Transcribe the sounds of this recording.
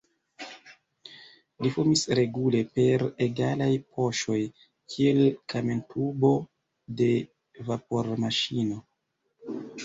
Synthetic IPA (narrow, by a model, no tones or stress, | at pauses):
lifuɾmisɾe̞ɡule̞pe̞ɾeɡalajpʰo̞ʃo̞j | kʰie̞lkamentubo̞ | de̞ | vapo̞ɾmaʃino̞